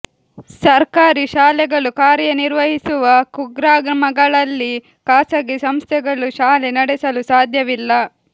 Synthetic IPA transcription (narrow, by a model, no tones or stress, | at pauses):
sɐɾkaːɾiʃaːlɛɡɐɭukaːɾjɐniɾʋɐɦisuʋɐkuɡɾaːɡɾɐmɐɡɐɭɐlːi | kaːsɐɡesɐmst̪ʰɛɡɐɭuʃaːlenɐɽɛsɐlusaːd̪ʱjɐʋilːɐ